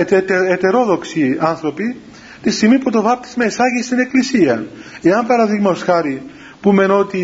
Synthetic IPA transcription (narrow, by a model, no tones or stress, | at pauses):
et̪eet̪e̞ɾo̞ðoksiɐnθɾo̞pi | t̪istimiput̪ovɐp̚t̪i̥zmɐisɐʝist̪ine̞klisiɐeɐmpɐɾɐðiɣmɐosxɐɾi | pume̞no̞t̪i